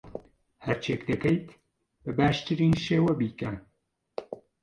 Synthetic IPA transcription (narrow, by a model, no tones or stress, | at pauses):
hɐɾt͡ʃʰeːkd̪ɐkɐjt̪ | b̥ɐbaːʃt̪ɨɾiːnʃeːwɐbiːkɐn